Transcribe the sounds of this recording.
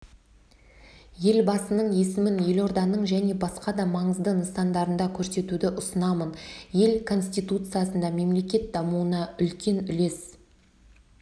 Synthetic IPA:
je̞lbɑsənəɴje̞sɪmɪnje̞lo̞ɾd̪ɑnəɴʒæne̞bɑsqɑd̪ɑmɑɴəzd̪ənəsɑnd̪ɑɾənd̪ɑkʲʰɵɾse̞t̪ud̪ɪʔʊsənɑmənje̞lkʰo̞nsʲt̪ijt̪ut̪sɨjasənd̪ɑme̞mle̞kʲe̞t̪̚d̪ɑmuənɑʔʏlkʲe̞nʏle̞s

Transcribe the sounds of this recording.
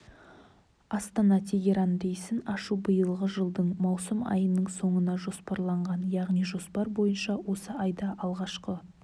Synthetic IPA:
ɑst̪ɑnɑt̪ʰe̞ɡʲe̞ɾɑnd̪e̞jsɪnɑʃubəjəlˠʁəʒəlˠd̪əɴmɑwsəmɑ̰jənːəɴso̞ɴənɑʒo̞spɑɾlˠɑɴʁɑnjɑʁnijʒo̞spɑɾbo̞jənʃɑwo̞səɑjd̪ɑʔɑlˠʁɑʃqə

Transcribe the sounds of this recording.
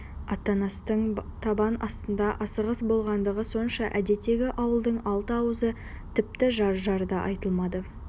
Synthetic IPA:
ɑt̪ːɑnɑst̪əɴt̪ʰɑbɑnɑst̪ənd̪ɑʔɑsəʁəsbo̞lˠʁɑnd̪əʁəso̞nʃɑʔæd̪e̞t̪ːe̞ɡʲɪʔɑwəlˠd̪əɴɑlˠt̪əɑwəzə | t̪ʰɪp̚t̪ɪʒɑɾʒɑɾd̪ɑʔɑ̰jt̪əlˠmɑd̪ə

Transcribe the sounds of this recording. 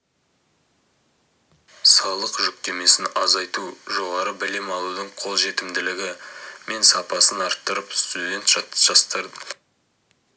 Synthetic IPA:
sɑlˠəqʒʏk̚t̪e̞me̞sɪnɑzɑjt̪uʒo̞ʁɑɾəbɪlɪmɑlˠud̪əɴqʰo̞lˠʒe̞t̪ɪmd̪ɪlɪɡʲɪme̞nsɑpɑsənɑɾt̪ːəɾəpst̪ud̪ʲe̞nt̪ʒɑʒ̥ɑst̪əɾd̪ə

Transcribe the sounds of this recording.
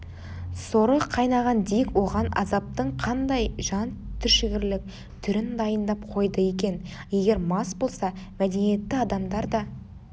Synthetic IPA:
soɾəqʰːɑjnɑʁɑnd̪ijkwo̞ʁɑnɑ̰zɑp̚t̪əɴqʰɑnd̪ɑjʒɑnt̪ʰʏɾʃɪɡʲɪɾlɪk̚ | t̪ʰʏɾɪnd̪ɑjənd̪ɑp̚qʰo̞jd̪əje̞kʲe̞nje̞ɡʲe̞ɾmɑsbo̞lˠsɑmæd̪e̞nije̞t̪ːɪɑd̪ɑmd̪ɑɾd̪ɑ

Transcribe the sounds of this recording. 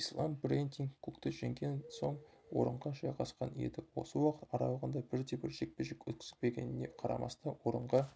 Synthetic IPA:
islˠɑmbrent̪iŋkkʰːukt̪ɪʒeŋɡʲe̞nso̞ɴ | wo̞̰ɾəɴʁɑʒɑjʁɑsqɑne̞̰d̪ɪwo̞̰səwɑqə̥t̪ɑɾɑ̰lˠəʁənd̪ɑbɪɾd̪e̞bɪɾʒe̞k̚peʒɪkʲwɵt̪̚kʲɪ̥zɪkpe̞ɡʲe̞̰nɪne̞̰qʰɑɾɑ̰mɑ̰st̪ɑwo̞ɾəɴʁɑ

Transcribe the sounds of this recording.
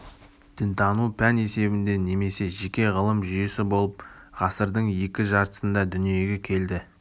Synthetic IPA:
d̪̥ɪnt̪ʰɑnupʰæne̞se̞bɪnd̪e̞ne̞me̞se̞ʒe̞kʲe̞ʁəlˠəmʒʏjesɪbo̞lˠəpʁɑsəɾd̪əɴje̞kʲɪʒɑɾt̪ə̥sənd̪ɑd̪ʏnije̞ɡʲe̞kʲʰe̞ld̪ɪ

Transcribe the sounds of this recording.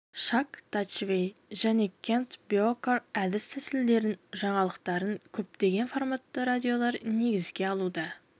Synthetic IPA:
ʃɑkt̪ɑt͡ʃvʲejʒæne̞kʲʰe̞nt̪bjokəɾæd̪ɪst̪ʰæsɪld̪e̞ɾɪnʒɑɴɑlˠəqt̪ɑɾəŋkʲʰɵp̚t̪e̞ɡʲe̞nformat̪ːəɾad̪ʲio̞lˠɑɾne̞ɡʲɪzɡʲe̞ɑlˠud̪ɑ

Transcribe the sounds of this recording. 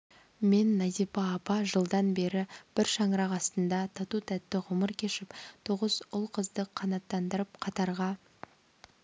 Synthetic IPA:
menːɑzipɑːpɑʒəlˠd̪ɑnbe̞ɾɪb̥ɪɾʃɑɴɾɑqɑst̪ənd̪ɑt̪ʰɑt̪ut̪ʰæt̪ːɪʁʊməɾkʲʰe̞ʃɪpt̪ʰoʁəzʊlˠqʰəzd̪əqʰːɑnɑt̪ːɑnd̪əɾəp̚qʰɑt̪ɑɾʁɑ

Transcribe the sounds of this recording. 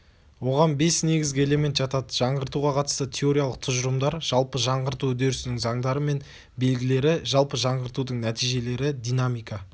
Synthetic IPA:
wo̞ʁɑnbe̞sne̞ɡʲɪzɡʲɪe̞le̞mʲe̞nt̪ʒ̥ɑt̪ɑd̪əʒ̥ɑɴʁəɾt̪uʁɑqʰɑt̪əst̪ət̪ʲʰe̞o̞ɾʲijalˠəq̚t̪ʰʊʒʊɾəmd̪ɑɾʒ̥ɑlˠpəʒɑɴʁəɾt̪uɵd̪e̞ɾɪsɪnɪŋzɑŋd̪ɑɾəme̞n | be̞lɡʲɪle̞ɾɪʒɑlˠpəʒɑɴʁəɾt̪ud̪əɴnæt̪ijʒe̞le̞ɾɪd̪ijnamijkɑ

